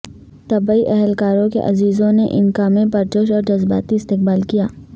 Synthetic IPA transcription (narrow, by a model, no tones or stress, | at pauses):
t̪ɐbaiʔɛɦɛlkaːɾõkḛʔɐ̰ziːzõneʔɪ̰nkaːmẽpɐɾt͡ʃʊʃɔːɾd͡ʒɐzba̰ːt̪iɪst̪ɪq̚baːlkijaː